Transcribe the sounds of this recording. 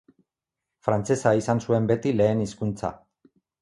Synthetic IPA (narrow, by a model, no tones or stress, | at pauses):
fɾant͡se̞saisansue̞mbe̞t̪ile̞ːniskunt͡sa̰